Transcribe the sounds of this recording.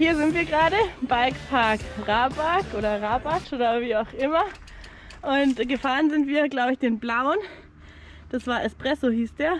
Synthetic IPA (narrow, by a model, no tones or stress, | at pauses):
hiːɐzɪntviːɐɡəʁaːdəb̥alkpʰaɐkʁaːbaɐkʔoːɾɐʁaːbat͡ʃʔoːɾɐviːaʊxʔɪmɐ | ʔʊntɡəfaːʁənzɪntv̥iːɐɡlaʊbəɪçd̥eːnblaʊn | d̥asv̥aːɐʔɛspʁ̥ɛsohiːsd̥eːɐ